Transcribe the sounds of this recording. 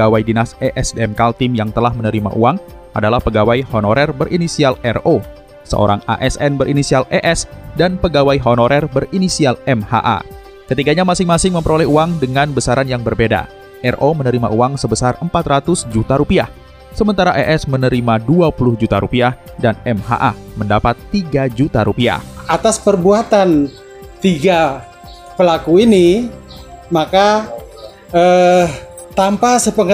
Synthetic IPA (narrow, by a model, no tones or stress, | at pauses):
awajdinasɛʔɛsdeɛmkalt̪ɪmjaŋt̪əlahmənəɾima̰ʔuaŋ | ʔadalahpəɡawajhonoɾɛrbəɾʔinisialɛro | sə̰ʔo̰ɾaŋa̰ʔɛsɛnbəɾʔinisialʔɛʔɛsdanpəɡawajɦonoɾɛrbərinisialɛmha̰ʔa̰ | kət̪iɡaɲamasɪŋmasɪŋməmpəɾolɛhuaŋdəŋanbəsaɾanjaŋbərbeda̰ | ʔɛrʔomənəɾima̰ʔuaŋsəbəsarəmpat̪rat̪ʊsd͡ʒut̪aɾupiah | səmənt̪aɾaʔɛʔɛsmənəɾimaduapulʊhd͡ʒut̪aɾupiah | danɛmɦa̰ʔa̰məndapat̪ːiɡad͡ʒut̪aɾupia̰hat̪aspərbuat̪an | t̪iɡa | pəlakuini | maka | ə | t̪ampasəpəŋ